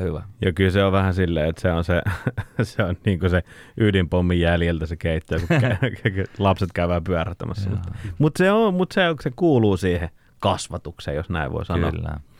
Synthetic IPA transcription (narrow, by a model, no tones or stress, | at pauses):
hyʋæ̰jɑkylseoʋʋæhæsilːḛːet̪seonseseonniːŋkoseʔydimpomːijæljelt̪æsekeˑit̪ːøːkukæklɑpset̪kæˑyʋæːpyæræt̪ːæmæsːɑmutːmut̪seomut̪seoksekuːluːsiːhe | kɑsʋɑt̪uksḛːjosnæ̰ḭʋʋo̰ˑisɑo̰lːæ̰